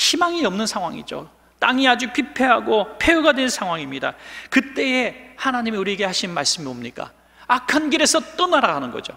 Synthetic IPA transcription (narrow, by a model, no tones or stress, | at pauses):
ɕimaŋiʌmnɯnsʰaŋɦwaŋḭd͡ʑo̰ | t͈aŋiad͡ʑupipʰe̞ɦaɡopʰe̞uɡadwe̞nsʰaŋɦwaŋimɲida̰kɯt͈e̞ehanaɲimiuɾieɡe̞haɕʰinnmaɭs͈ɯmiomɲik͈a̰ | akʰanɡiɾe̞sʰʌt͈onaɾaɦanɯnɡʌ̰d͡ʑo̰